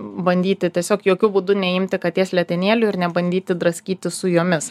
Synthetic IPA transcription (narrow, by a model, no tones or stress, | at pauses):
bɐnʲd̪ʲiːt̪ʲɪt̪ʲiɛsʲoːkjoːkʲuːbuːd̪ʊnʲɛɪmʲt̪ʲɪkɐt̪ʲeːɛsʲlʲɛt̪ʲɪnʲeːlʲʊɪɾnʲɛbɐnʲd̪ʲiːt̪ʲɪd̪ɾɐsʲkʲiːt̪ʲɪsʊjoːmʲɪs